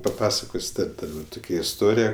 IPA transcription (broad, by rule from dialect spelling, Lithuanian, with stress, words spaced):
pɐˈpɑːsɐkoːsʲ ˈtɐt ˈtʊkʲɛ ɪsˈtoːrʲɪjɛ